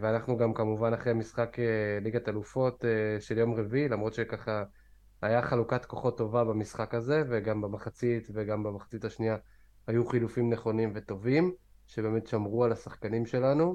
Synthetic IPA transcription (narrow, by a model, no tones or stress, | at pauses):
veanaχnuɡamkamuvanaχʁeamisχakeliɡat̪alufo̞t̪eʃe̞ljo̞mʁevilamʁo̞t̪ʃe̞kaχa | ajaχalukat̪ko̞χo̞tːo̞vabamisχakaze̞ve̞ɡambamaχat͡sitveɡambamaχḁt͡sitaʃnia | hajuχilufimneχo̞nimvet̪o̞vim | ʃe̞be̞metʃamʁualasaχkanimʃe̞lanu